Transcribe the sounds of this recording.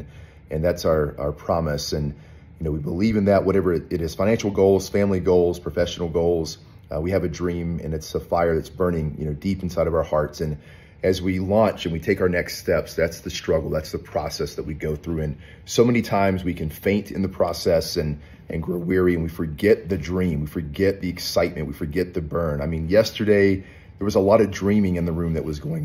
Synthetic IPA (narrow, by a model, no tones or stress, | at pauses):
ʔɨ̃nðætsaʊə˞ʔa̰ə˞pʰɹ̥ɑmɨsɨ̃n | jɨnoʊwibəlivɨ̃nðɨʔ̚wʌɾɛvə˞ɨɾɨz̥fãɪ̃næ̃nʃl̩ˠɡoʊlˠz̥fæ̃mliɡoʊlˠz̥pʰɹ̥əfɛʃnl̩ˠɡoʊlˠz̥ | wiɨvɨdɹĩmɨ̰̃nɨtsəfaɪə˞ðɨtsb̥ɜ̃˞nɪ̃ŋjɨ̰ñoʊdipn̩saɪɾʌvaʊə˞hɑɹtsɨ̃n | ɨzwilɔ̃nt͡ʃɨ̃nwitʰeɪkaʊə˞nɛksttɛpsðætsðɨstɹ̥ʌɡl̩ˠðætsðəpʰɹ̥ɔ̰sɛsðɨʔ̚wiɡoʊθɹʉɨ̃n | soʊmɛnitʰãɪ̃mzwikʰɨ̃nfẽɪ̃ntʰɨ̰̃nðɨpʰɹ̥ɔsɛsɨ̃n | ʔɨ̰̃nɡɹoʊwɪɹiɨ̃nwifə˞ɡɛt̪̚ðɨdɹĩmwifə˞ɡɛt̪̚ðiɨksaɪt̚mɨ̰̃nʔwifə˞ɡɛt̪̚ðɨbɜ̃˞naɪmĩnjɛstə˞deɪ | ðə˞wʌzəlɔɾʌvdɹĩmɪ̃ŋɨ̃nðəɹʉ̃mðɨʔ̚wʌzɡoʊɪ̃ŋ